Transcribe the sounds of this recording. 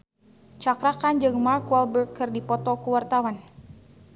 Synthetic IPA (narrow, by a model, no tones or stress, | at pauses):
t͡ʃakɾakand͡ʒɨŋmarkwalbərkkɨrdipɔt̪ɔkuwart̪awan